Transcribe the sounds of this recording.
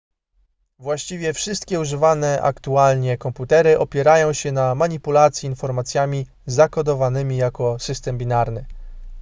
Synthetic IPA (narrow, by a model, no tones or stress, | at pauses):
vwaɕt͡ɕivʲjɛfʂɘst̪kʲɛuʐɘvanɛʔa̰kt̪ualɲɛkɔmput̪ɛɾɘʔɔpʲjɛɾajɔ̃w̃ɕɛnamaɲipulat̪sʲjiːnfɔɾmat̪sʲjamʲi | zakɔd̪ɔvanɘmʲijakɔsɘst̪ɛmbʲinaɾnɘ